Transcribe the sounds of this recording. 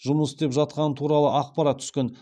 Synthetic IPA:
ʒʊməsd̪e̞pʒɑt̪̚qɑnət̪ʰuɾɑlˠəʔɑqpɑɾɑt̪̚ːʰʏ̥skʲen

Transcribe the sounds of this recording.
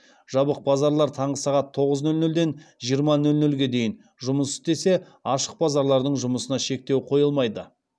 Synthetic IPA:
ʒ̥ɑbəq̚bɑzɑɾlˠɑɾt̪ʰɑɴʁəsɑʁɑt̪ʰːo̞ʁəznɵlnɵld̪e̞nʒijəɾmɑnɵlnɵlɡʲe̞d̪e̞jɪn | ʒʊməsʏzt̪e̞se̞ | ɑʃəq̚bɑzɑɾlˠɑɾd̪əɴʒʊməsənɑʃe̞k̚t̪e̞wqʰo̞jəlˠmɑjd̪ə

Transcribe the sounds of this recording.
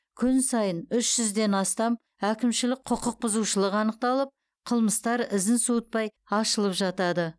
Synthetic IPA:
kʲʰʏnsɑjənʏʃʒ̥ʏzd̪e̞nɑst̪ɑm | ækʲɪmʃɪlɪk̚ʲqʰʊqəq̚bʊzuʃəlˠəqɑnəq̚t̪ɑlˠəp̚ | qʰəlˠməst̪ɑɾɪzɪnsuət̪̚pɑj | ɑʃəlˠəpʒɑt̪ɑd̪ə

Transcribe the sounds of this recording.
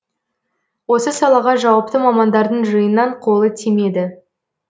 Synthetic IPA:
wo̞səsɑlˠɑʁɑʒɑwɑp̚t̪əmɑmɑnd̪ɑɾd̪əɴʒəjənːɑɴqʰo̞lˠət̪ʰeme̞d̪ɪ

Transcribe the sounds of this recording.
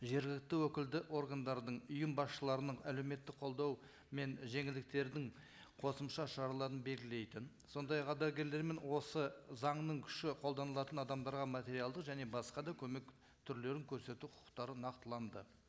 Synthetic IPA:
ʒe̞ɾɡʲɪlɪk̚t̪ɪwɵkʲɪld̪ɪʔo̞rɡand̪ɑɾd̪əɴʊjəmbɑsʃəlˠɑɾənəɴæle̞wme̞t̪ːɪk̚qʰo̞lˠd̪ɑw | me̞nʒe̞ŋɪld̪ɪk̚t̪e̞ɾd̪ɪɴ | qʰo̞səmʃɑʃɑɾɑlˠɑɾənbe̞lɡʲɪle̞jt̪ɪn | so̞nd̪ɑjɑqqʰːɑd̪ɑɡʲe̞ɾle̞ɾme̞nwo̞səzɑɴnəɴkʲʰʏ̥ʃɪqʰo̞lˠd̪ɑnəlˠɑt̪ənɑd̪ɑmd̪ɑɾʁɑmat̪ʲe̞ɾijɑlˠd̪əqʒæne̞bɑsqɑd̪ɑkʲʰɵme̞k | t̪ʰʏɾle̞ɾɪŋkʲʰɵɾse̞t̪uqʰʊ̥ə̥qt̪ɑɾənɑqt̪əlˠɑnd̪ə

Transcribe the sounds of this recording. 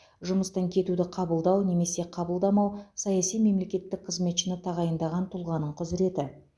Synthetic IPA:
ʒʊməst̪ɑŋkʲʰe̞t̪ud̪ɪqʰɑbəlˠd̪ɑwne̞me̞se̞qʰɑbəlˠd̪ɑmɑwsɑjɑsijme̞mle̞kʲe̞t̪ːɪk̚qʰəzme̞t̪ʃɪnɪt̪ʰɑʁɑjənd̪ɑʁɑnt̪ʰʊlˠʁɑnəɴqʰʊzɾe̞t̪ɪ

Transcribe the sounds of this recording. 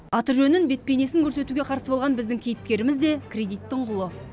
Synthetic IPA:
ɑt̪əɾʒɵnɪnbe̞t̪̚pe̞jne̞sɪŋkʰɵɾse̞t̪uɡʲeqʰɑɾsəbo̞lˠʁɑnbɪzd̪ɪŋkʲʰejɪp̚kʲe̞ɾɪmɪzd̪e̞kʲʰrʲe̞d̪ijt̪ːɪɴqʰʊlˠə

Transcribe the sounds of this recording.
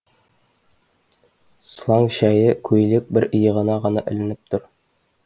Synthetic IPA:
slˠɑŋɕæjɘkʰʉjlɘk̚bɘɾɤ̆jɤ̆ʁɤ̆nɑʁɤ̆nɑʔɘ̆lɘ̆nɘp̚t̪oɾ

